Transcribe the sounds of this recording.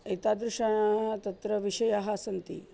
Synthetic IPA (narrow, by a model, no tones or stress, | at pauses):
it̪ad̪ɾuʂaaɦt̪ɐt̪ɾəʋiʂɐjaɦasɐnt̪ḭː